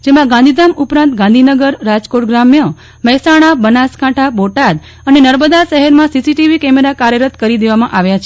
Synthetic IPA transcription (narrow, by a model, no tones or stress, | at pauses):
d͡ʒemãɡãnd̪ʱid̪amupɾãnt̪ɡãnd̪ʱinəɡəɾːad͡ʒkoʈɡɾamjə | məɦsaɽ̃abənaskaʈʰaboʈad̪ | ənenəɾməd̪aʃəɦɛɾmãsisiʈiʋikɛmeɾakaɾjəɾət̪kəɾid̪eʋamãʔaʋjat͡ʃʰe